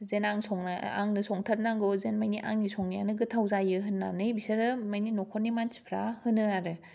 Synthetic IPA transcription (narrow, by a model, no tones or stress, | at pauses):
zenaŋsɔŋnaa̰ŋnɯsɔŋtʰaɾnaŋɡozenmajniʔa̰ŋnisʰɔŋnijanɯɡɯtʰawzajɯɦɯnːa̰nɯjbisaɾɯmajninɔkʰɔnːimanspʰɾa̰hɯnɯaɾɯ